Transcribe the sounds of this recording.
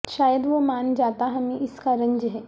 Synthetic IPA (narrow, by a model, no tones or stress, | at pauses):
ʃaːjəd̪ʋomaːnd͡ʒaːt̪aɦɐmẽɪskaɾə̃ɲd͡ʒəɦɛː